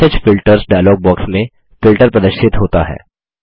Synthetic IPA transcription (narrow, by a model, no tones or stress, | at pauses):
əd͡ʒfɪlʈəɾzɖaːjlɔːɡ̚bɔːksmẽ | fɪlʈəɾpɾɐd̪əɾʃɪt̪ɦoːt̪aɦɛ̰ː